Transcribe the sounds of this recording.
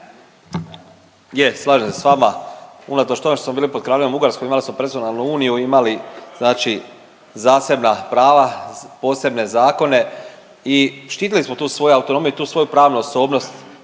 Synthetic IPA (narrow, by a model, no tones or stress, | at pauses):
jeslˠaːʒemsesʋamaunat̪o̞t͡ʃt̪o̞met̪osmobiːlipo̞d̪̚kɾaːʎeombuɡaɾskoimalismo̞pɾezonalˠnuuːnijuimaliz̥naːt͡ʃi | zaːse̞bnapɾaːʋapo̞ːse̞bne̞zaːko̞ne̞ | iʃt̪iːt̪ilismot̪uːsʋo̞juawt̪o̞no̞ːmijuit̪uːsʋo̞jupɾaːʋnuoso̞ːbno̞st̪